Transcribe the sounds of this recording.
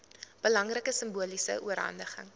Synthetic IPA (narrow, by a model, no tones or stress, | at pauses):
b̥əlɐŋrəkəsəmbuəlisə̰ʔuəɾɦɐ̰ndəχə̰ŋ